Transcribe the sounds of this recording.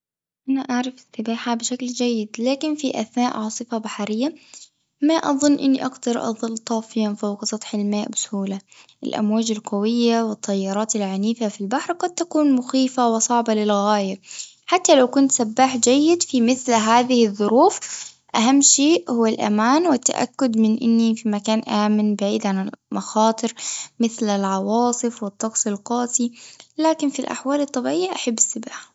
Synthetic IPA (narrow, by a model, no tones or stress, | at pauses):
ʔanaʔaʕɾˤɑfɪsɑbaːħabɪʃakld͡ʒajːɪd̪laːkɪnfiʔa̰θnaːʔʕɑːsˤɨfabaħɾɪjːa | maʔɑ̰ðˤʊnːʔɪnːiʔaɡd̪ɑɾˤʔɑ̰ðˤɨlːt̪ˤɑːfjanfawqsˤɑt̪ˤħɪlmaːʔbɪsʊhuːla | ʔɪ̰lʔa̰mwaːd͡ʒɪlqawɪjːawɪt̪ˤːɑjːɑɾˤɑːt̪ɪlʕaniːfafilbaħɾqɑd̪̚t̪akuːnmʊxiːfawɪsˤɑʕbalɪlɣaːja | ħat̪ːalawkʊnt̪sabːaːħd͡ʒajːɪd̪fimɪθlɦaːðɪhɪðˤːʊɾuːf | ʔaɦamːʃeːʔhʊwːalʔa̰maːnwɪt̪ːa̰ʔa̰kːʊd̪mɪnʔɪ̰nːifimakaːnʔaːmɪnbaʕḭːd̪ʕanɪmɑxɑːt̪ˤɨɾmɪθlɪlʕɑwɑːsˤɨfwɪt̪ˤːɑqsˤɪlqɑːsˤilaːkɪnfilʔa̰ħwaːlɑt̪ˤːɑbɪʕɪjːaʔaħabːɪsːɪbaːħa